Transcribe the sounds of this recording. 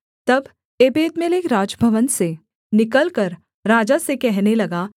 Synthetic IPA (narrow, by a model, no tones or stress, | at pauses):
t̪ɐb | eːbeːd̪meleːkɾaːd͡ʒbʱəʋənse | nɪkəlkəɾ | ɾaːd͡ʒasekɛɦnelɐɡaː